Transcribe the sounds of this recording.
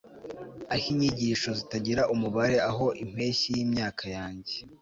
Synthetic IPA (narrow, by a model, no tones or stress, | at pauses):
ahiɲiɟiʃo̞zitaɟiɾaʔumuβaɾe̞aɦo̞ʔim̥we̞ːçijiːmɲaːkʰajaːɲɟe